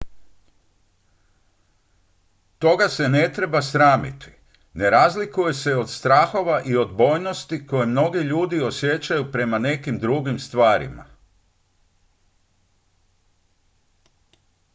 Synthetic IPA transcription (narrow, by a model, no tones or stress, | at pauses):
t̪o̞ɡase̞ne̞t̪ɾe̞basɾaːmḭt̪i̥ | ne̞ɾazlikuje̞se̞o̞d̪st̪ɾaːxo̞ʋaʔio̞d̪bo̞ːjno̞st̪iko̞jemno̞ɡiʎuːd̪io̞sje̞t͡ɕajupɾe̞mane̞kimd̪ɾuɡimst̪ʋaːɾḭma̰